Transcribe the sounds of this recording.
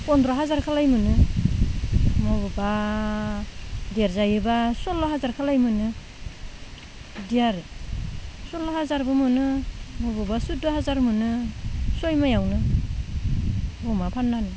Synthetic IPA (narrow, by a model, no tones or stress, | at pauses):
pɔndɾaɦazaɾkʰalajmɯnɯ | mɔbɯba | dijaɾzajɯbasɔlɔɦazaɾkʰalajmɯnɯ | dijaɾɯ | sɔlɔhazaɾbɯmɯnɯmɔbɯbasudɔɦazaɾmɯnɯsɔjmajawnɯ | ɔmapʰanːanɯ